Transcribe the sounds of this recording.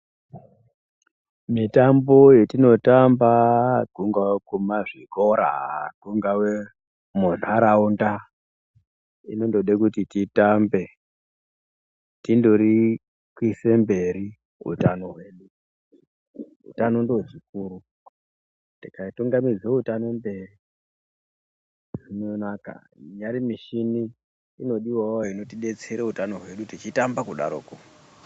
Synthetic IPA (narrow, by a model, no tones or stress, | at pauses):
mitambo̞jetino̞tambaɡʱuŋɡawekumaʐikoɾa̰ɡ̥ʱuŋɡawe | mun̤aɾaunda | ḭno̞ndo̞ɗekutititambe̞ | tindo̞ri | kwise̞mbe̞ɾi | ɦṵtano̞ɦwe̞ɗu | ɦṵtano̞ndoweʐikuɾu | tikaituŋɡamid͡zeɦutano̞mbe̞ri | ʐinonaka̰ɲaɾimiʃiniː | no̞ɗiwawino̞tiɗe̞t͡seɾeutano̞ɦwe̞ɗutit͡ʃitambakuɗa̰ɾo̰ːko